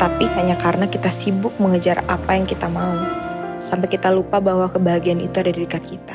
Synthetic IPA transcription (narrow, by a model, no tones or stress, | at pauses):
t̪apiɦaɲakaɾənakit̪asibʊk̚məŋəd͡ʒarapajaŋkit̪amausampajkit̪alupabahwakəbaɦaɡianḭt̪uadadiɾikat̪̚kit̪a